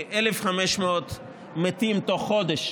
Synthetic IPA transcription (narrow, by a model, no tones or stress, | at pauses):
ʔelefχameʃmeot̪ | met̪imt̪oχːod̪eʃ